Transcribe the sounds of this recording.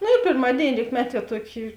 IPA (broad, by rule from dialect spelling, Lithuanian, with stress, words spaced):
ˈnʊ ɪr pʲeːrˈmɑːdʲeːɪnʲɪ ˈrʲiːkmʲɛˌtʲiɛ ˈtuɔˌkʲɪ